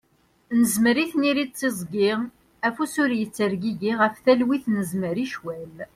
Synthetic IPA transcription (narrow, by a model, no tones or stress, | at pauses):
nəzməɾiθniɾid̪̚t͡sːizˤɡɪʁ | æfusʊɾjət͡sːəɾɡiɡiʁəfθælwiθnəzməɾiʃwæl